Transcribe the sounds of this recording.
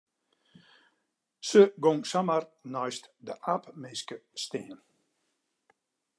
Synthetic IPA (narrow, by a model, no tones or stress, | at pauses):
səɡɔŋsamərnɔjstdəʔapmɪskəstɪːən